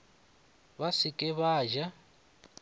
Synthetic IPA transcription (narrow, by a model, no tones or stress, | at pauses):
βasɪkʼɪβaːʒa